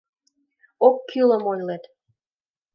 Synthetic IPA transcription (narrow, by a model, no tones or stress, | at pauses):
okːylə̆mojlet̪